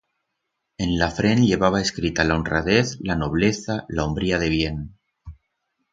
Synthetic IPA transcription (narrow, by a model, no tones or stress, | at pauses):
e̞nlafɾe̞nʎe̞β̞aβ̞aeskɾit̪alaonra̰ðeθlano̞β̞leθalaombɾiaðe̞β̞je̞n